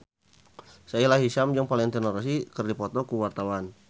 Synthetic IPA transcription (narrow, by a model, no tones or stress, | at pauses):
sailaɦiʃamd͡ʒaŋpalɛŋt̪ɛnɔɾɔsikərdipɔt̪ɔkuwart̪awan